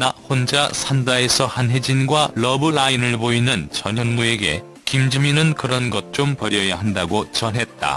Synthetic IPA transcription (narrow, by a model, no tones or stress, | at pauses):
nahond͡ʑasʰandae̞sʰʌhanɦe̞d͡ʑinɡwaɭʌbɯɭainɯɭpoinɯnt͡ɕʌɲjʌnmue̞ɡe̞̰ | kimd͡ʑɯminɯnkɯɾʌnɡʌt̚t͡ɕ͈ompʌɾjʌjaɦandaɡot͡ɕʌnɦe̞t̚t͈a̰